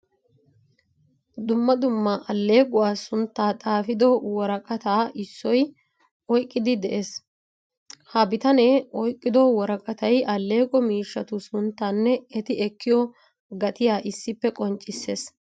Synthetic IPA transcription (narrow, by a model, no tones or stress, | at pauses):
d̪ʊmːɐd̪ʊmːɐʔɐlːe̞ːkʼʊwaːsʊnt̪ːaːt̪ʼaːfɪd̪ɔwɔɾɐkʼɐt̪aːʔɪsːɔj | ɔjkʼːɪd̪ɪd̪ɛʔe̞ːs | hɐbɪt̪ɐnɛɔjkʼːɪd̪ɔwɔɾɐkʼɐt̪ɐjʔɐlːe̞ːkʼɔmiːʃːɐt̪ʊsʊnt̪ːaːnːɛɛt̪ɪɛkːɪjɔ | ɡɐt̪ɪjaːʔɪsːɪpːɛkʼɔnt͡ʃʼːɪsːeːs